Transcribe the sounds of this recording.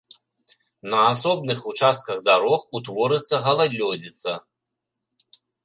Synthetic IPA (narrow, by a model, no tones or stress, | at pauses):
nɐasɔbnɨxut͡ʂast̪̚kɐɣd̪aɾɔxut̪vɔɾɨt̪sːɐɣɐlˠad̪lʲɔd͡zʲit̪sːɐ